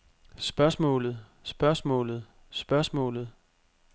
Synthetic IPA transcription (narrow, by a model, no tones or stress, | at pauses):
sb̥ɶɐsmɔ̰̽ːlð̩ˠ | sb̥ɶɐsmɔ̰̽ːlð̞̩ˠ | sb̥ɶɐsmɔ̰̽ːlð̩ˠ